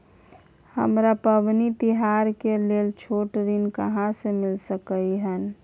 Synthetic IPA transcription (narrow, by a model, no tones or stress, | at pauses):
həmɾapəʋnit̪ɪɦaːɾkeleːlt͡ʃʰoːʈɾinkəɦãsemɪlsəkəiɦən